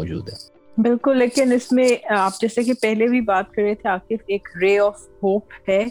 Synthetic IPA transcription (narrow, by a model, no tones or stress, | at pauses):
ɔːd͡ʒṵːd̪ɦɛ | bɪlkʊlːeːkɪnɪsmẽaːp̚d͡ʒɛːsekepɛɦlebʱibaːt̪̚kɐɾet̪ʰeaːkɪfeːkɾeːɔːf | hoːphɛː